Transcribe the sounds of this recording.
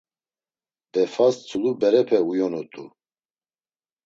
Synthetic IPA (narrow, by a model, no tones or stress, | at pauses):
d̪̥ɛfast͡sʰʼulubɛɾɛpʰɛujɔnɔt̪ʼu